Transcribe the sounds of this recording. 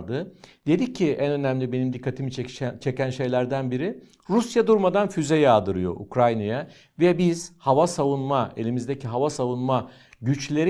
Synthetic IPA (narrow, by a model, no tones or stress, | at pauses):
d̪ɯd̪e̞d̪ic̚ʰːiʔænø̞næmlʲibe̞nimd̪ikʰːat̪ʰimit͡ʃʰe̞cænʃe̞jlʲæɾd̪ænbiɾi | ɾusjad̪uɾmad̪anfyzɛjaːd̪ɯɾɯjo̞̰ʔṵkɾajnaja | vɛbiz̥havasavunmae̞lʲimizd̪ecʰiɦavasavunma | ɟyt͡ʃlʲe̞ɾ